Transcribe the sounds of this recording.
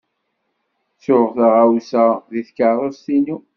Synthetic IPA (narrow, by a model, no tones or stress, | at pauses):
t͡sːʊʁθaʁawsæðiθkaðˤost̪ini